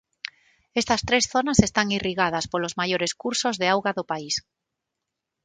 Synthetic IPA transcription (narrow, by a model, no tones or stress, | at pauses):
est̪ast̪ɾesθonasest̪aŋiriɣað̞aspolozmajoɾeskuɾsozðeawɣaðopais